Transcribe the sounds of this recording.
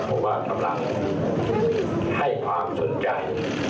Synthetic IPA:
pʰɔ˦˥waː˥˩t̪ʰa˨˧˦mla̰˧˩ŋ | ha˥˩jkʰwaː˧mso˩˦nt͡ɕa˧j

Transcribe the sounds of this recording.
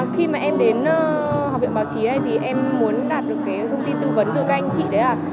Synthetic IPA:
xi˧maː˨˩ʔɛ˧mɗe˨˦nː˧hɔ˨˩ḭ˧˨ŋ͡mɓaː˨˦wt͡ɕi˨˦ɗə˧jt̪ʰi˨˩ʔɛ˧mːu˨˦ənɗaː˨˩t̚ɗɨ˨˩əkːaː˨˦jt̪ʰə˧wŋ͡mt̪i˧nt̪ɨ˧və˨˦nt̪ɨ̰˧˨ka˧jŋ̟t͡ɕḭ˧˨ɗə˨˦jlaː˨˩

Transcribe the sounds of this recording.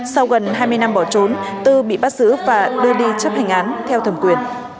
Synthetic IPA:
sa˧wɣə˨˩nɦaː˧jmɨ˧əjna˧mɓɔ˧˩t͡ɕo˨˦nt̪ɨ˧ɓḭ˧˨ɓaː˦˥t̚z̥ɨ̰˧˥vaː˨˩ɗɨ˧əɗi˧t͡ɕə˦˥p̚ha˨˩jŋ̟ʔaː˨˦nt̪ʰɛ˧wt̪ʰə˧˩mkwi˨˩ən

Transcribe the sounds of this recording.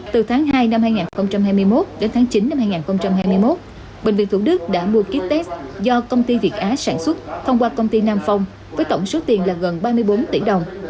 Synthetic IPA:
t̪ɨ˨˩t̪ʰaː˨˦ŋɦaː˧jna˧mhaː˧jŋaː˨˩nxə˧wŋ͡mt͡ɕa˧mɦaː˧jmɨ˧əjmo˦˥t̚ɗe˨˦nt̪ʰaː˨˦ŋt͡ɕi˨˦nːa˧mhaː˧jŋaː˨˩nxə˧wŋ͡mt͡ɕa˧mhɦaː˧jmɨ˧əjmo˦˥t̚ | ɓï˨˩ŋ̟vḭ˧˨nt̪ʰu˧˩ɗɨ˦˥k̚ɗa̰ː˧˥mu˧əki˦˥t̚t̪ɛ˦˥szɔ˧kə˧wŋ͡mt̪i˧vi˨˩ət̚ʔaː˨˦saː˧˩nswə˦˥t̚t̪ʰə˧wŋ͡mkwaː˧kə˧wŋ͡mt̪i˧naː˧mfa˧wŋ͡m | vəː˨˦jt̪ə˧˩wŋ͡mso˨˦t̪i˨˩nlaː˨˩ɣə˨˩nɓaː˧mɨ˧əjɓo˨˦nt̪i˧˩ɗə˨˩wŋ͡m

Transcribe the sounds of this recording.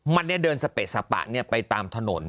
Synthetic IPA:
ma˧nːi˥˩ɐdɤː˧nsa˧pe˨˩t̪̚sa˨˩pa̰˨˩ʔni˥˩ɐpa˧jt̪aː˧mt̪ʰa˧no˩˦n

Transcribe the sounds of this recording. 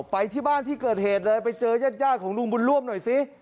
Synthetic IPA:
pa˧jt̪ʰiː˥˩baː˥˩nt̪ʰiː˥˩kɤː˨˩t̪̚heː˨˩t̪̚lɤː˧jpa˧jt͡ɕɤː˧jaː˥˩t̪̚jaː˥˩kʰɔː˩˦ŋlu˧ŋbu˧nɾu˥˩əmnɔ˨˩jsi˦˥

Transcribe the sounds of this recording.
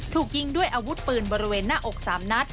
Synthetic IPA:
t̪ʰuː˨˩k̚ji˧ŋdu˥˩əjʔaː˧wu˦˥t̪̚pɯː˨˩nbɔː˧ɾi˦˥weː˧nːaː˥˩ʔo˨˩k̚saː˩˦mna˦˥t̪̚

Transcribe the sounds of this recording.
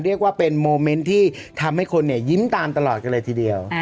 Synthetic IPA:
ɾi˥˩ək̚waː˥˩pe˧nmoː˧me˦˥nt̪ʰiː˥˩t̪ʰa˧mha˥˩jkʰo˧nːi˥˩ɐji˦˥mt̪aː˧mt̪a˧lɔː˨˩t̪̚ka˧lɤː˧t̪ʰiː˧˩di˧əw

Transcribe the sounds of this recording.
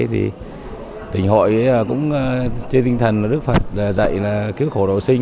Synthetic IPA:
t̪ʰḭ˨˩ | t̪ï˨˩ŋ̟ɦo̰˧˨jkʊ̰˧˥ŋ͡mə˧t͡ɕe˧t̪i˧ŋ̟t̪ʰə˨˩nlaː˨˩ɗɨ˦˥k̚fə˨˩t̚laː˨˩zə̰˧˨jlaː˨˩ki˨˦əwkxo˧˩ɗo̰˧˨sï˧ŋ

